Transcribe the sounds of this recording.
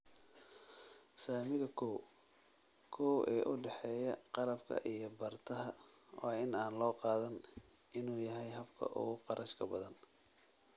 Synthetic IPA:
saːmɪɣɐkʰɔw | kʰɔwɛ̰ːʔʊɖɛħɛːjɐqɑlɐbkʰɐ̰ʔijɞbɐrt̪ʰɐɦɐ | wɑːɪnaːnlɔːqɑːðɐn | ɪnuːjɐɦɛjɦɐbkʰɐ̰ʔʊ̰ɣʊqɑɾʔɐʃkʰɐbɐðɐn

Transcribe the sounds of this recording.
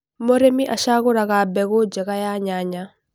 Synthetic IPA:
moɾemiʔaʃakʊɾakabɛkod͡ʒɛkajaɲaɲa

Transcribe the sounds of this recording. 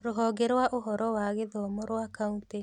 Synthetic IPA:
ɾoɦɔːɡeɾwaʔoɦɔɾɔwaːɣeðɔːmɔɾwakaunte

